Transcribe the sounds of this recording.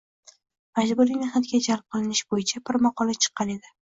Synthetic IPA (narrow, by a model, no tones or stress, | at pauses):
mad͡ʒbʊɾijnɪhnat̪ɡʲad͡ʒalp̚qʰɨlˠɪnɪʃbojɪt͡ʃʰapɪɾmɑqʰɒlat͡ʃʰɨ̥qʰːɑne̞d̪ɪ